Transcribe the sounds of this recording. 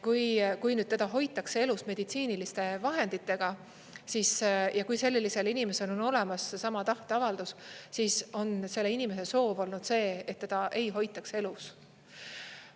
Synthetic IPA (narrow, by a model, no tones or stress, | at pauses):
kujkujnyd̥̪t̪e̞d̪̥ɑɦo̞jt̪ːˑɑksee̞lusme̞d̪̥it̪siːnilist̪e̞vɑɦe̞nd̪̥it̪ːe̞ɡ̥ɑ | sisjɑkujse̞lːilːise̞linime̞se̞lo̞no̞le̞mɑsːesɑmɑt̪ɑht̪eɑvɑld̪ussiso̞nse̞lːe̞inimese̞so̞ːvo̞lnud̪̥se̞ːet̪tːe̞d̪ɑʔe̞jɦo̞jt̪ːˑɑkse̞lus